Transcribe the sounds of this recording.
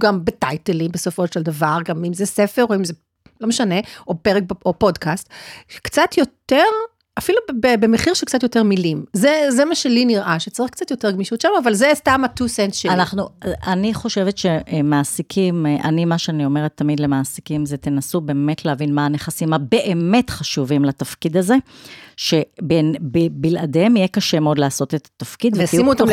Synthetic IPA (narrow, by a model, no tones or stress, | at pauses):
ɡambetajtelimbeso̞fo̞ʃeldavaʁɡamimzesefeʁo̞imze | lo̞meʃaneʔo̞peʁek̚beopo̞dkastʃkt͡satjo̞teʁ | afilubbebemeχiʁʃelk̚t͡sat̬jo̞teʁmilimzezemaʃeliniʁʔaʃet͡saʁiχkt͡sat̪jo̞teʁɡmiʃutʃamːvalzestamatusentʃelanaχnuaniχo̞ʃe̞vetʃe̞maːsikʰimʔa̰nimaʃeanio̞me̞ʁet̪ʰːamid̪lemaːsi̥kimzet̪enasube̞eme̞tʰleavinmaːne̞χasimhabe̞ʔeme̞tχaʃuvimlat̪afkid̪aze̞ʃe̞benbibilʔademijekaʃemeo̞dlaːso̞tet̪ḁtafkid̪viimuot̪am